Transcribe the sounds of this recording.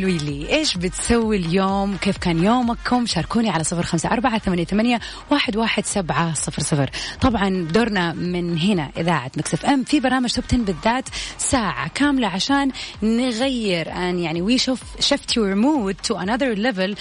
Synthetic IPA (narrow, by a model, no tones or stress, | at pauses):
lwiːliʔeːʃbɪt̪sawːiljoːmkeːfkaːnjoːmakʰːʊmʃɑːɾˤkuːniʕalasˤɨfɾxamsaʔɑɾˤbaʕaθamanjat̪amanja | waːħɪd̪waːħɪd̪sabʕasˤɨfɾsˤɨfɾt̪ˤɑbʕɑnbd̪oɾˤnamɪnɦɪna̰ʔɪðaːʕat̪maksɪfʔɛmfibɑɾˤnaːmad͡ʒʒt̪ɪb̚t̪ɪnbɪðːaːt̪saːʕa̰kaːmlaʕaʃaːnːɪɣajːɪɾʔanjaʕniwiʃʊfʃaft̪ʰʊɾmuːd̪̚t̪ʊʔanaðɑɾlɛvɪl